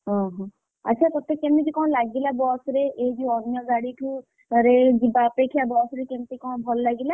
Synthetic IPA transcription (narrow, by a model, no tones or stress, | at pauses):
ɦɔ̃ɦɔ̃ | a̰tːt͡ʃʰat̪ɔt̪ekemid͡ʒikɔ̃w̃laɡilabɔsɾeʔed͡ʒuɔnjɔɡaɽiʈʰũ | ɾed͡ʒibaːpekʰijabɔsɾekemt̪ekɔ̃bʱɔllaɡila